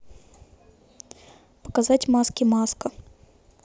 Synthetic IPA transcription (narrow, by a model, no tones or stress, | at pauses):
pə̥kazatʲmaskʲɪmaskə